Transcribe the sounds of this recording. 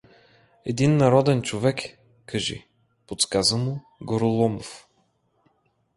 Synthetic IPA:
ɛd̪inːɐɾɔd̪ɛnt͡ʃovɛk | kɐʒḭ | pot̪skazəmʊ | ɡoɾʊlˠɔmof

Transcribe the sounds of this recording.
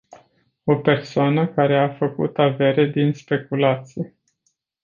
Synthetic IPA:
o̞pe̞rsoanəkaɾe̞afəkṵt̪ave̞ɾe̞d̪inspe̞kulat̪sije

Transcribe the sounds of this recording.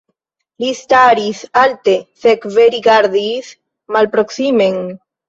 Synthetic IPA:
list̪aɾiθalt̪eθekveɾiɣaɾðiθ | malpɾoksimeŋ

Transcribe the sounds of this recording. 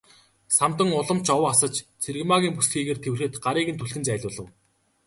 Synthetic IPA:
sam̥t̪ə̆ŋʊɮə̆mt͡ɕɔwasə̆t͡ɕt͡sʰerɣmaɣʲiːmpusxiːɣeːrt̪ʰewrxɘ̆t̪ɢaɾiːɣɘ̆nt̪ʰɵɬtɘ̆nt͡sæːɮʲʊːɮə̆w

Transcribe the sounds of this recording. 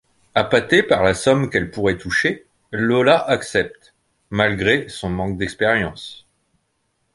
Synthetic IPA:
apat̪epaʁlasɔmkɛlpuʁɛt̪uʃe | lolaʔaksɛp̚t̪ | malɡʁesɔ̃mɑ̃k̚d̪ɛkspeʁjɑ̃s

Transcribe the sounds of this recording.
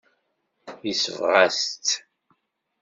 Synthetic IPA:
jisəvʁæst̪

